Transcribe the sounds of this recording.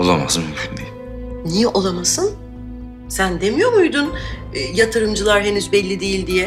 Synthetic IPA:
olˠama̰zmmʲʰynbi | nijɛʔo̞lˠamasɯn | sænd̪emijo̞ɾmujd̪unː | jat̪ʰɯɾɯmd͡ʒɯlˠaɾɦe̞nyzbɛlʲːid̪ejilʲd̪ijɛ

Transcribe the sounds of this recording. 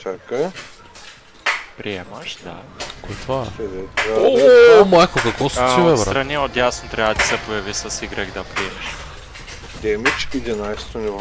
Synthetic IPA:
t̪aka | pɾiɛmaʃd̪a̰koɛt̪aɛd̪ɛt̪aomˠakokakɔsivɛvst̪ɾaniot̪jasnot̪ɾɛbat̪i̥sɛpojavisasiɡɾɛɡd̪apɾiɛmɛʃ | d̪ɛmit͡ʃid̪inajst̪oniv

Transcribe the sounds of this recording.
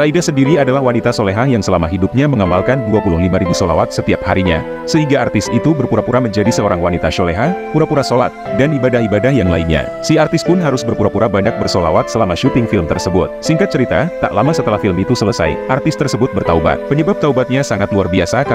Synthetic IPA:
saidasəndiɾiadalahwanit̪asoleɦahjaŋsəlamaɦidup̚ɲaməŋamalkanduapulʊhlimaɾibusola̰wat̪̚sət̪iap̚haɾiɲa̰ | səɦiŋɡaːrt̪ɪsit̪ubərpuɾapuɾaməɲd͡ʒadisəoɾaŋwanit̪aʃoleɦahpuɾapuɾasola̰t̪̚danibadahibadahjaŋla̰inɲa̰ | siart̪ɪs̚pʊnɦaɾʊsbərpuɾapuɾabaɲak̚bərsola̰wat̪̚səlamaʃut̪ɪŋfɪlmt̪ərsəbʊt̪̚siŋkat̪̚t͡ʃəɾit̪a̰t̪a̰ʔlamasət̪əlahfɪlmit̪usələsa̰jʔart̪ɪst̪ərsəbʊt̪̚bərt̪auba̰t̪̚pəɲəbap̚t̪aubat̪̚ɲasaŋat̪luarbiasak

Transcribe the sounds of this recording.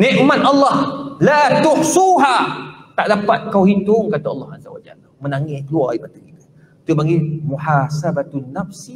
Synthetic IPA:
nɛ̃ʔmat̪ɑlːɑhlat̪ʊhsuɦat̪aʔdapat̪̚kawɦint̪ʊŋkat̪aɑlːɑhazawa̰d͡ʒa̰l | mənaŋɪhkəluaibat̪akit̪ḁ | t̪ʊʔpaɡimuħasabat̪nafs

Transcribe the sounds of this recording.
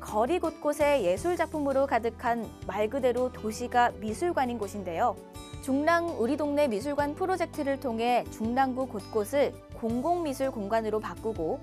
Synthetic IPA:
kʌɾiɡot̚k͈osʰe̞je̞sʰuɭd͡ʑapʰumɯɾokadɯkʰanmaɭɡɯde̞ɾotoɕʰiɡamisʰuɭɡwaɲinɡoɕʰinde̞jo | t͡ɕuŋnaŋuɾidoŋne̞mis̬ʰuɭɡwanpʰɯɾod͡ʑe̞k̚tʰɯɾɯɭtʰoŋɦe̞t͡ɕuŋnaŋbukot̚k͈osʰɯɭ | koŋɡoŋmisʰuɭkoŋɡwanɯɾopak͈uɡo

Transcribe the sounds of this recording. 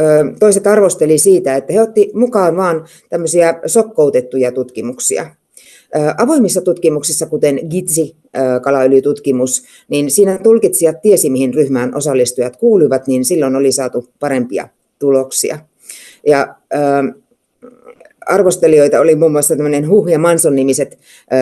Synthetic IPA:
əːt̪oiset̪ɑrʋost̪elisiːt̪æet̪ːæheot̪ːimukɑːʋʋɑːn | t̪æmːøsiæsokːout̪et̪ːujɑt̪ut̪kimuksḭɑ̰ | ʔəːʔɑʋoimːisːɑt̪ut̪kimuksisːɑkut̪enɡit̪si | əːkɑlɑylyt̪ut̪kimus | ninsiːnæt̪ulkit̪siʋɑt̪t̪iesimihinryhmæːnʔosɑlːist̪ujɑt̪kuːluiʋɑt̪ninsilːonolisɑːt̪upɑɾempiɑ̰ | t̪uloksḭɑ̰ | jɑəː | ɑrʋost̪elioit̪ɑolimuːmːuɑsːɑt̪æmːønenhuhjɑmɑnsonːimiset̪

